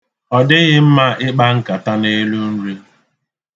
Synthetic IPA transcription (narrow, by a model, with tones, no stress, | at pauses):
ɔ˨dɪ˦ɣɪ˦m̩˦ma˦ɪ˦k͡pa˦ŋ̩˦ka˨ta˦ne˦lu˦n̩˦ɾi˦